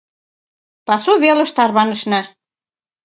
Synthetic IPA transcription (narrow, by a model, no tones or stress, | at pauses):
pɑsuβelɤ̆ʃt̪ɑrβɑnə̆ʃnɑ